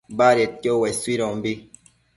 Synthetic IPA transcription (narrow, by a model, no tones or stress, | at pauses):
baɾɛtɔwɛsiɾɔmbi